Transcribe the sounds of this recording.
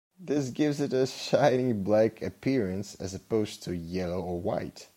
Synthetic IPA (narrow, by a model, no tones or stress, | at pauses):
ðɪsɡɪvzɨɾɨʃãɪnɪ̃ŋblækʰɨpʰɪɹɨ̃nsɨ̰zɨpʰoʊz̥tʰɨjɛlˠoʊə˞wa̰ɪt